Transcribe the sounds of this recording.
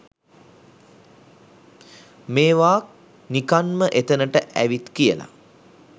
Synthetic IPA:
meːʋaːk̚ | nikanməʔet̪ənəʈəʔæʋit̪kijəla̰

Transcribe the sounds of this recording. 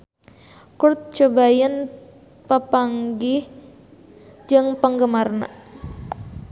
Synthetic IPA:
kʊrt̪̚t͡ʃobajən | pəpaŋɡɪh | d͡ʒəŋpəŋɡəmarna̰

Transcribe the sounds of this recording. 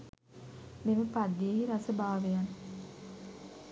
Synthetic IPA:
meməpad̪ːeɦiɾasəbaːʋejan

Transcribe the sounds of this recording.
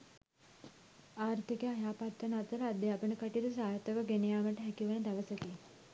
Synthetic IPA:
aːɾt̪ʰikejajaːpaːt̪ɾənat̪əɾəad̪ːeapənəkəʈit̪usaːɾt̪əʋəɡenejaːməʈəɦɛkiʋənəd̪aʋəsəke

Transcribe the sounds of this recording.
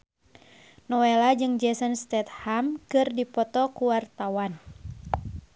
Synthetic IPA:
nɔwɛlad͡ʒɨŋd͡ʒɛsɔnst̪ɛt̪̚hamkɨrdipɔt̪ɔkuwart̪awan

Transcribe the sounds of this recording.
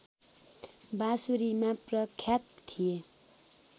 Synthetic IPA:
basuɾimãprʌkʰjat̪̚t̪ʰːije

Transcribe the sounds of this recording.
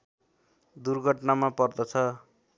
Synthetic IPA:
d̪urɡʱʌʈnamapʌrd̪ʌt͡sʰʌ

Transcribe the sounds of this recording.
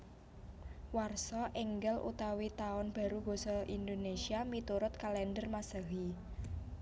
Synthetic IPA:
warsɔʔɛŋɡɛlʔṵt̪awit̪aɔnb̥a̤ɾuɡ̥o̤sɔʔind̪onesiamit̪uɾʊt̪̚kalɛnɖərmasəɦi

